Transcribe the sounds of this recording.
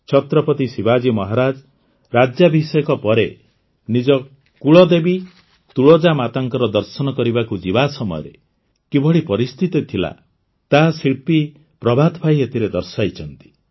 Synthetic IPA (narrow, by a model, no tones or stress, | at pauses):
t͡ʃʰɔt̪ɾɔpɔt̪isibad͡ʒimɔɦaɾad͡ʒ | ɾad͡ʒjabʱisɔjɔkɔpɔɾe | nid͡ʒɔ | kuɭɔd̪ebi | t̪uɭɔd͡ʒamat̪aŋkɔɾɔd̪ɔɾsɔnɔkɔɾibakud͡ʒibasɔmɔ̰jɔ̰ɾḛ | kibɔɭipɔɾist̪ʰit̪it̪ʰila̰ | t̪asiɭpi | pɾɔbʱad̪bʰʱajet̪ʰiɾed̪ɔɾsajt͡ʃʰɔnt̪i̥